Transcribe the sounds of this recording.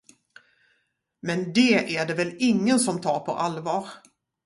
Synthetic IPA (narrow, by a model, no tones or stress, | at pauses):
mɛnd̪ɛʔæɖɛvɛlɪŋːənsɔmt̪ʰɑːɾpʰɔ̰ʔalvɑːɾ